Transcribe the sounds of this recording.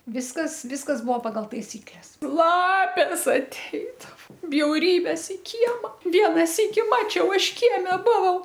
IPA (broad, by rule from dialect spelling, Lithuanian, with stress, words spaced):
ˈʋʲɪskɐs ˈʋʲɪskɐs ˈbʊʋoː pɐɡɐlˠ tɐɪˈsʲiːklʲɛs ˈlˠɑːpʲeːs ɐˈtʲɛɪdɐʋoː bʲjɛʊˈrʲiːbʲeːs ɪ ˈkʲiɛmɐ ˈʋʲiɛnɐ ˈsʲiːkʲɪ ˈmɑːt͡ʃʲɛʊ ˈɐʃ ˈkʲiɛmʲɛ ˈbʊʋɐʊ